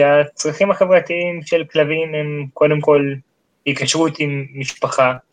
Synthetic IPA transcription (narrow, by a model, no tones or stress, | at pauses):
eat͡sʁaχimhaχe̞vʁat̪iimʃe̞lklavimemko̞d̪emko̞l | hikaʃʁut̪imːiʃpaχa